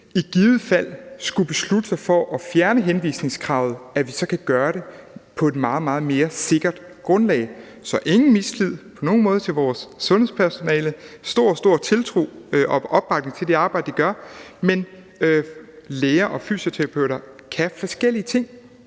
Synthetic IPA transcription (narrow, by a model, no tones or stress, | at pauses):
iɡ̥iːʊð̩ˠfæl̰sɡ̥ub̥e̝slud̥əsɑfɒʔɒ̽fjæɐnəɦenʋḭːsne̝ŋskʰʁɑ̈ʊ̰ð̞̩ˠæʋisɒ̽kʰæɡ̥ɶːɐɾe̝pʰɒ̽e̝d̥mɑ̈ːð̩ˠmɑ̈ːð̞̩ˠme̝ːɐse̝ɡ̥ɐd̥ | ɡ̥ʁɔ̽nlɛ̰ɪ | sɒ̽ʔe̝ŋn̩mislið̞̰ˠpʰɒ̽no̝ːn̩mɔ̽ːð̞ˠt͡sʰe̝lʋɒːsːɔ̽nhḛspʰæɐso̝nɛːləsd̥o̝ɐ̰sd̥o̝ɐ̰t͡sʰe̝lt͡sʰʁo̝̰ːʔɒ̽ʔɒ̽b̥ːʁɑ̈ɡ̥ne̝ŋt͡sʰe̝ld̥e̝ɑ̈ːb̥ɑ̈ɪ̰d̥d̥iɡ̥ɶɐmen | leːɐʔɒ̽fy̰ːsot͡sʰeʁɑpʰøʊ̰ɾɐ | kʰæfɒsɡ̥el̰iət͡sʰe̝ŋ̰